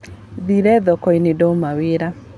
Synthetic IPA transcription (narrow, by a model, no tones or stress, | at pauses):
ðiɾɛðɔkɔinɪdɔmawɪɾa